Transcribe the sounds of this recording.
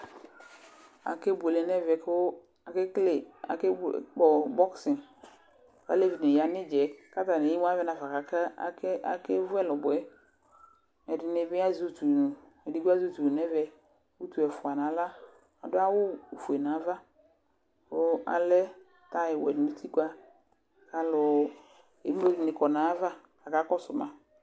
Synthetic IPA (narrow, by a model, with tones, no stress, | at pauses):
a̰˨ke˦be˨le˨nɛ˦vɛ˨k | a˨kɪ˦kle˨a̰˨kk͡pɔ˨bɔ˦ksɪ˨n | ka̰˦le˦vi˨nɪ̃˨ja˨nɪ˦d͡ʒɛ˨ka˦ta˨ne˨i˦m˦a˦vɛ˦na˨fa˨ka˨ka˦a̰˨ka̰˨ke˦vʊ˦ɛ˦lɔ˨bʊ˨ɛ˦ | ɛ˨dɪ˨nɪ˦bɪ˦a˦zu˦tu˨nũ˨ | ɛ˨di˦ɡa˦zu˦tu˨nɛ˦vɛ˦ | wu˦tu˨ɛ˨fʊ˨a˨na˨˦la˦ | a̰˨dʊ˦a˦wʊ˦˨fu˨e˨na˨˦va˦ | ʊ˦a̰˨lɛ˦ | ta˦ɪ˨wɛ̰˨nʊ̃˨˦tʰi˦kwa˦ | ka˨lʊ˨ | e˨˦m˦o˦dɪ˨nɪ˨kɔ˨na˨˦va˦ | ka˨ka˨˦kɔ˦sʊ˨mã˨